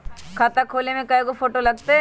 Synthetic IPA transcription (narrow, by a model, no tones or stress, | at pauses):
kʰɐt̪akʰoːlemẽkɐjkopʰoːʈolɐɡ̚t̪e